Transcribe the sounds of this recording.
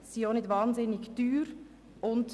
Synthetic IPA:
siːoːnɪtvɑːnzɪnɪɡd̥yːɾ | ʔʊnt

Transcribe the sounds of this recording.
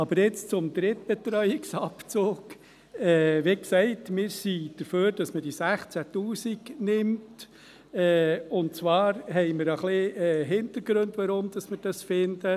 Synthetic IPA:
ɑb̥əɾjɪt͡st͡sʊmd̪ɾɪtb̥ɛt̪ɾœʏɪksɑpt͡soːɡ̥ | ɛːʋeksɛɪtmɪːɾsid̥əɾføːɾd̥ɑsməd̥isæχt͡sætuːsiɡnɪmt | ɛʊnt͡sʋɑːɾhɛɪməɾəχlɪɛːɦɪntəɾɡɾɵndʋɑɾʊmd̥̪ɑsmɪɾd̥ɑsfɪndə

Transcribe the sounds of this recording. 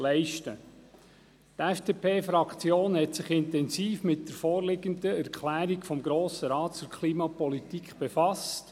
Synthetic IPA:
lɛɪʃtə | t̪ɛfd̥epʰeːfɾɑkχt͡sjoːnhɛtsɪχɪnt̪ɛnsiːfmɪt̚d̥əɾfɔːɾlɪɡəndəæɾkχlæːɾikfɔmɡɾoːsəɾɑːtt͡sʊɾkʰliːmɑpɔlitikχb̥efɑst

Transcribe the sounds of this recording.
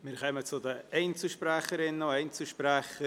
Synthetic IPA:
mɪɾkɛmət͡sʊdəeɪnt͡səʃpɾɛχəɾɪnːoɛɪnt͡səʃpɾɛxə

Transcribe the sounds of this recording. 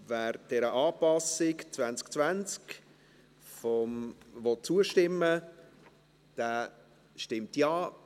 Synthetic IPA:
vɛːɾd̥ɛɾəʔɑːpɑsɪkt͡svænt͡sk̚t͡svænt͡sk | fɔmvɔt̚t͡suəʃtɪmːə | d̥ɛː | ʃtɪmtjaː

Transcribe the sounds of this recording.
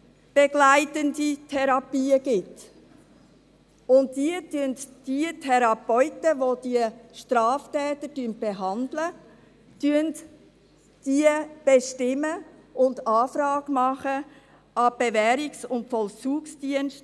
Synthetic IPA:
b̥eɡ̥laɪtənditʰɛɾɑpiːəɡ̥ɪt | ʊnt̚diətyəntd̥iətʰɛɾɑpɔʏtəvoːd̥iəʃtɾɑːftɛːtədyənb̥eɦɑndlə | tyənt | d̥iːəb̥eʃtɪmːəʔʊndɑːfrɑːɡmɑχə | ɑb̥evɛːɾɪksʊntfɔlt͡suːksd̥iənʃt

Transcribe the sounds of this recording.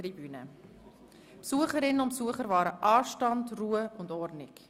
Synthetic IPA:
ribyːnə̰ | psuəχəɾɪnːənʊntpsuəχəɾvɑːɾəʔɑːʃtɑndruːəʊndɔɾnɪk

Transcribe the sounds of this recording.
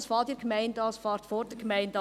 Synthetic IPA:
sfɑːdiɾɡ̥mæɪndɑsfɑːɾtfoːɾd̥əɡmæɪnd

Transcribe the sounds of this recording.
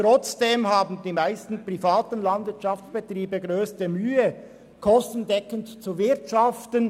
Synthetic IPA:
tɾɔt͡sd̥eːmɦaːbn̩diːmaɪstn̩pʁifaːtən̩lɑndvɪɐtʃɑft͡sb̥ɛt̪ʁiːbəɡɾøːstəmyːə | kʰɔstn̩dɛkəntt͡suvɪɐtʃɑftən

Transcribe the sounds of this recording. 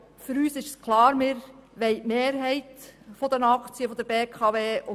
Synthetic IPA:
fʏɾyːsɪʃskʰlˠɑːɾmɪɾʋɛɪtmeːɾɦɛɪtfɔd̪ənɑkʰt͡siəfɔd̪əɾbeːkʰɑveːʊ

